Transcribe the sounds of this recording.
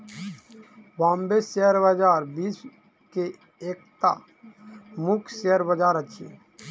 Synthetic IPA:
bãːmbeseəɾbəd͡ʒaːɾbiːs | ke | eːk̚t̪a̰ | mukʰseəɾbəd͡ʒaːɾət͡ʃʰḛ

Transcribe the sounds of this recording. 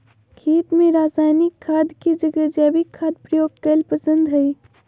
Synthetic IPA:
kʰiːt̪mẽɾaːsaːjnɪkʰːaːd̪kid͡ʒəɡəd͡ʒaːbikʰːaːd̪̚pɾəjoːɡ̚kəlpəsə̃nd̪ɦɐi

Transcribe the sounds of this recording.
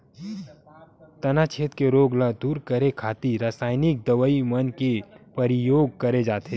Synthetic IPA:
t̪ɐnat͡ʃʰeːt̪keɾoːɡlad̪uːɾkəɾekʰaːt̪iɾaːsaːɪnɪk̚d̪ɐʋəimənkepɐɾɪjoːɡ̚kɐɾed͡ʒaːt̪e

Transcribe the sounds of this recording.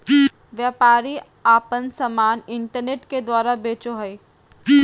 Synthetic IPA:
ʋjaːpaːɾi | aːpənsɐmaːnɪ̃ɳʈəɾneːʈked̪waːɾabeːt͡ʃoɦɐi

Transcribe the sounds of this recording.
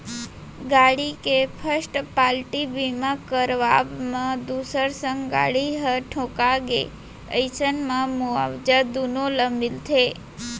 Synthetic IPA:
ɡaɽikepʰəsʈpalʈibimãkəɾʋabmãd̪usəɾsəŋɡɡa̰ɽiɦəʈʰõkaɡḛ | əjt͡ʃənmãmua̰ʋd͡ʒad̪unoləmbilt̪ʰe

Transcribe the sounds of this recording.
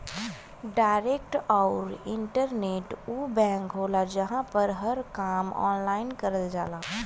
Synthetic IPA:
ɖaːɪɾeːk̚ʈaʊɾɪ̃ɳʈəɾneːʈuːbɛ̃ːŋkɦoːlad͡ʒəɦãpəɾɦəɾkaːmɔ̰ːnlaːɪnkəɾəld͡ʒaːlaː

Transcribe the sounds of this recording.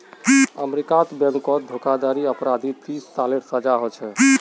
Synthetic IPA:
əmɾikat̪bɛ̃ŋkɔd̪ʱokad̪aɾiəpɾad̪it̪ist̪aleʈsəd͡ʒaɦot͡ʃʰɛ

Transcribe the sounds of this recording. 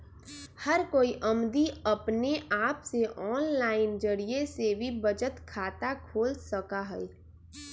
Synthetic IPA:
həɾkoːiʔɐmd̪iɐpneʔaːpseʔɔːnlaːɪnd͡ʒəɾiesebʱibəd͡ʒət̪kʰaːt̪akʰoːlsəkaɦɛ

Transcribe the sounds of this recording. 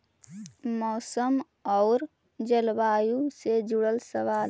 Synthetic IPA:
mɔːsəm | ɔʊɾ | d͡ʒəlbaːjused͡ʒuɽəlsəʋaːl

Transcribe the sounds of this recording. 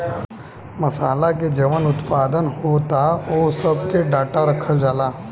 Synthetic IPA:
məsaːlaked͡ʒeʋənʊt̪paːd̪ənɦot̪aosəb̚ʱkeɖaːʈaɾəkʰəld͡ʒaːlaː

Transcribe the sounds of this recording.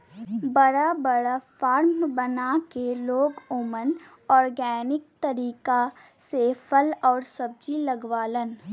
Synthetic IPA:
bəɽabəɽafaːɾmbənakeloːɡoːmən | ɔːɾɡɛːnɪk̚t̪əɾiːka | sepʰəlɔːɾsəb̚d͡ʒiləɡwaːlən

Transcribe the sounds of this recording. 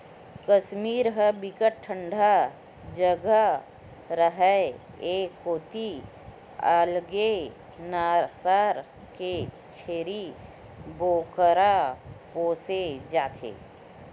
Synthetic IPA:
kəʃmiːɾɦəbɪkəʈ̚ʈʰːə̃ɳɖʱa | d͡ʒəɡa | ɾəɦɛ | eːkːoːt̪i | a̰ːlɡe | naːsaːɾ | ke | t͡ʃʰeːɾi | boːkəɾapoːsed͡ʒaːt̪ʰḛː

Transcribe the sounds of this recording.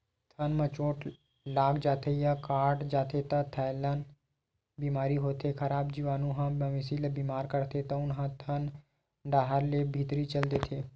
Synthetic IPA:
t̪ʰənmət͡ʃoːʈ | laːɡd͡ʒaːt̪ʰejakaːɾɖd͡ʒaːt̪ʰet̪ɐt̪ʰaːlaːn | biːmaːɾiɦoːt̪ʰekʰɐɾaːbd͡ʒiʋaːnũɦãːəʋɪsilɐbiːmaːɾkəɾt̪ʰet̪ɐʊnɦãt̪ʰən | ɖaːɦəɾlebʱiːt̪ɾit͡ʃəld̪eːt̪ʰeː

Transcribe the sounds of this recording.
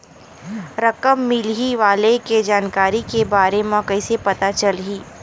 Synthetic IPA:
ɾɐkəmːɪlɦiʋaːleked͡ʒaːnkaːɾikebaːɾemãkɐɪsepɐt̪at͡ʃɐlɦiː

